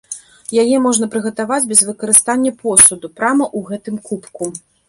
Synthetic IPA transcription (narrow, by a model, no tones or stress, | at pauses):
jajɛmɔʐnɐpɾɨɣɐt̪avad͡zʲbʲɛzvɨkɐɾɨst̪anʲːɐpɔsud̪upɾamɐʔuɣɛt̪ɨmkupku